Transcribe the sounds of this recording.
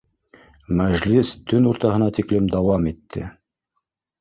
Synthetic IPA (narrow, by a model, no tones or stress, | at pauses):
mæʒlist̪ɵnuɾt̪ɑɦɤ̆nɑt̪iklɘmd̪ɑwɑmit̪ʰːɘ̰